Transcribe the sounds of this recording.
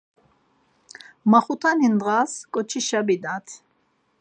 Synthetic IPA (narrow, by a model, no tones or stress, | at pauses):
maχut̪ʰanind̪ʁaskʼɔt͡ʃʰiʃabid̪at̪ʰ